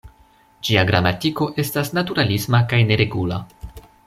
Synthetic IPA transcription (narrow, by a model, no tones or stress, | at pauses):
d͡ʒiaɡɾamatiko̞ʔe̞stasnatuɾalismakajne̞ɾe̞ɡula̰